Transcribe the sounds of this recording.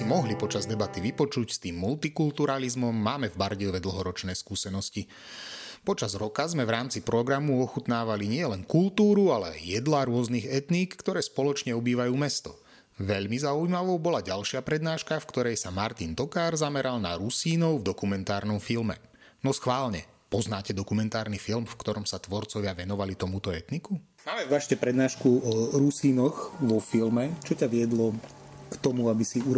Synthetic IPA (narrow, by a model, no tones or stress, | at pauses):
mɔɦlipɔt͡ʃazd̪ɛbat̪iʋipɔt͡ʃucst̪iːmːult̪ikult̪uɾalizmɔmːaːmɛvbaɾɟiɔʋɛd̪l̩ɦɔɾɔt͡ʃnɛːskuːsɛnɔsci | pɔt͡ʃazɾɔkazmɛvɾaːmt͡sipɾɔɡɾamuɔxut̪naːʋaliɲɪɛlɛnkult̪uːɾualɛa̰jjɛd̪laɾʊɔzniɣɛt̪niːkːt̪ɔɾɛːspɔlɔt͡ʃɲɛɔbiːʋajuːmɛst̪ɔ | ʋɛʎmizaujmaʋɔʊbɔlaɟalʃɪapɾɛd̪naːʃkafkt̪ɔɾɛjsamaɾt̪int̪ɔkaːɾzamɛɾalna̰ɾusiːnɔʊvd̪ɔkumɛnt̪aːɾnɔmfilmɛ̰ | nɔsxʋaːlɲɛ | pɔznaːcɛd̪ɔkumɛnt̪aːɾnifilmfkt̪ɔɾɔmsat̪ʋɔɾt͡sɔʋɪaʋɛnɔʋalit̪ɔmut̪ɔɛt̪niku | maːmɛvaʃcɛpɾɛd̪naːʃkuɔɾusiːnɔxʋɔfilmɛt͡ʃɔcaʋɪɛd̪lɔ | kt̪ɔmuabisiuɾ